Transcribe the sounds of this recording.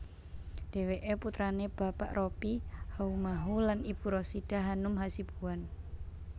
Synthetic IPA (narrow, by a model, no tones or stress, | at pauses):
d̥e̤weʔeput̪ɾaneb̥a̤pa̰ʔrʔopihaumaɦulanib̥uɾosid̥a̤ɦanʊmɦasib̥ṳwan